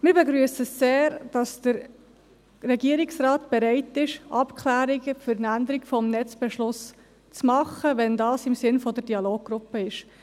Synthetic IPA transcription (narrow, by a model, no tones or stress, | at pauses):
mɪːɾbɛɡɾyəsəseːɾd̥ɑsd̥əɾ | rɛɡiːəɾiksrɑːt̪b̥ɛɾɛɪtɪʃʔɑpkχlæːɾiɡəfʏɾnænd̪əɾiɡfɔmnɛt͡sb̥ɛʃlʊs | t͡smɑχəʋɛndɑːsɪmsɪnfɔd̪əd̥iɑloːɡ̚ɡ̥ɾʊpːəɪʃ